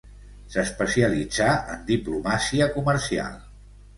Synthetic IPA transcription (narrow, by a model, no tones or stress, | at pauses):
səspəsiəlid͡zaə̰nd̪iplumasiəkuməɾsia̰lˠ